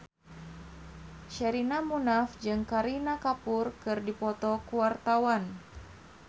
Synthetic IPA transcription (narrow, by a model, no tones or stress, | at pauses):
ʃɛɾinamunafd͡ʒɨŋkaɾinakapʊrkɨrdipɔt̪ɔkuwart̪awan